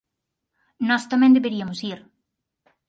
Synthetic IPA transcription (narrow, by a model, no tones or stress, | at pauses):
nɔst̪amɛ̃nd̪eβeɾiɐmʊsiɾ